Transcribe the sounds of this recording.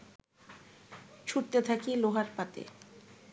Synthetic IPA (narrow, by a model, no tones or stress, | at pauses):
t͡ɕʰuʈ̚t̪et̪ʰakiloɦaɾpat̪ḛ